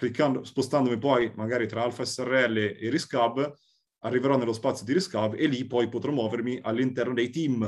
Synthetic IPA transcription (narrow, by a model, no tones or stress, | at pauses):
klikʰːand̪ospost̪and̪omipɔjmaɡaːɾit̪ɾaalfaɛsːɛrːeɛlːeeɾiskab | arːiveɾɔnːelːospat̪sjod̪iɾiskabːelːipɔjpot̪ɾɔmwɔːveɾmiʔalːint̪ɛrnod̪ejt̪im